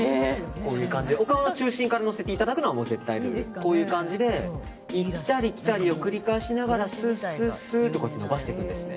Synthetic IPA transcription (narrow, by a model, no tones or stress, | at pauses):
eko̞ːjɯ̟ːkãɲ̟d͡ʑid̪eokaanot͡ɕɨːɕĩŋkaɾano̞se̞t̪eit̪ad̪akɯ̟noamo̞ːze̞t̪ːainko̞ːjɯ̟ːkãɲ̟d͡ʑid̪e̞ | it̪ːaɾʲikʲi̥t̪aɾʲio̞kɯ̟ɾʲikaiɕinaɡaɾasɨːsɨsɨːt̪o̞kat̪ːono̞baɕi̥t̪e̞kɯ̟̃nd̪e̞sɨɨne̞̰